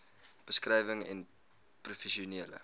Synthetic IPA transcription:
b̥əskrɛjvəŋɛn | prufɛʃiuneːlə̰

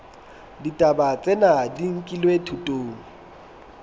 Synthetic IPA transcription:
ditʼabat͡sʼɛnadiŋ̩kʼilwetʰutʼoːŋ̩

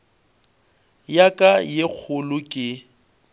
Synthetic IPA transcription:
jakʼajek͡xʰʊlʊkʼɪ

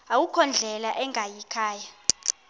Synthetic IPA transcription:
awukʰɔnd͡ɮʱɛlaʔɛŋʱajikʰaːja

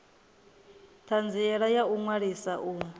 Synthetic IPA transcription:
t̪ʰand͡ziɛɺajauŋwaɺisaʔuː

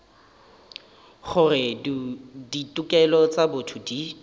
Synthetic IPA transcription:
χʊrɪ | ditʼʊkʼɛlɔt͡sabʊtʰʊdi

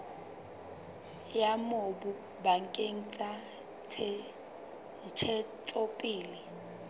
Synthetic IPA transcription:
jamobu | baŋkʼeŋ̩t͡sʼa | t͡sʰɛ | n̩t͡ʃʰɛt͡sʼopʼiːli

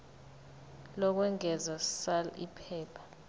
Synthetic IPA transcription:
lɔk̬wɛŋɛzḁsalḭpʰɛːpʰḁ

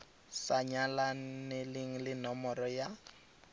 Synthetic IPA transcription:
saɲalanelɪŋ̩lɪnɔmɔrɔja

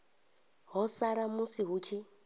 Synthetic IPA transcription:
ɦɔsaɾamusiɦuːt͡ʃʰi

